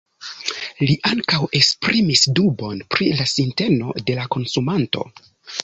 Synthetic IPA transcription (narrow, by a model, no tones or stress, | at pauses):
liʔaŋkawe̞kspɾimisdubo̞npɾilasinte̞no̞de̞lako̞nsumanto̞̰